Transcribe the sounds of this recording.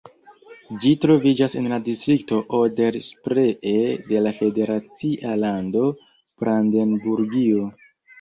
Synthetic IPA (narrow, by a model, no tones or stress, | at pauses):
d͡ʒitɾo̞vid͡ʒase̞̰nladistɾik̚to̞ʔode̞ɾspɾeʔede̞lafe̞de̞ɾat͡siʔalando̞ | b̥ɾandenbuɾɡio